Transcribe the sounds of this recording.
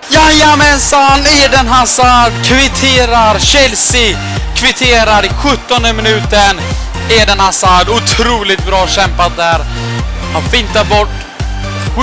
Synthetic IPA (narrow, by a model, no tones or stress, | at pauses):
jajamɛnsaneːɖ̪ɛnɦasad̪kʰvɪt̪ʰeːɾaɾɕɛlsɪ | kʰvɪt̪ʰeːɾaɾɛɧɵt̪ːɔnd̪əmɪnʉ̟ːt̪ən | eːɖ̪ɛnhasad̪ʊt̪ʰɾuːlɪt̪̚bɾɑːɕɛmpat̪̚d̪æɾ | hanfɪnt̪aɾbɔʈː